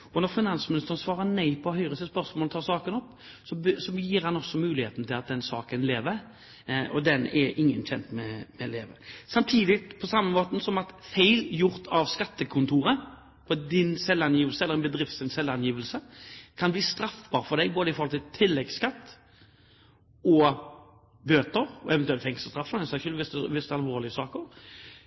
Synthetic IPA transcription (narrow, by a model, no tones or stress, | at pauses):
ɔnɔʁfɪnɑnsmɪnɪst̪əɾənsʋɑːʁənæɪpʰɔhœʏɾəsəspœʁsmoːlt̪ʰɑːʁsɑːkənɔpː | sɔbsɔjiːɾhɑnɔsɔmʉːlɪheːt̪n̩t̪ʰɪlɑt̪̚d̪ɛnsɑ̰ːkənleːʋəɾ | ɔd̪ɛnɛɾʔɪŋːənçɛnt̪mɛmɛleːʋə̰sɑmt̪ʰiːd̪ɪpʰɔsɑmːəmoːt̪n̩sɔmɑt̪feɪljʊɾt̪ʰɑʋskɑt̪ːəkʰʊnt̪ʰuːɾə | pʰɔd̪ɪnsɛlːɑnjiːʋəlsəɛləʁɛnbəd̪ɾɪft̪sɪnsɛlɑnjiːʋəlsəkʰɑnbliːst̪ɾɑfbɑːʁfɔd̪ɛɪboːd̪əɪfɔʁhɔlt̪ʰɪt̪ʰɪlːɛɡskɑt̪ː | ɔ | bøːt̪əɾɔɛʋɛnt̪ʉɛlt̪fɛŋsəst̪ɾɑfːnɛsæʃʉːlʋɪst̪ʋɪst̪ɑlʋoːʁlɪəsɑːkəɾ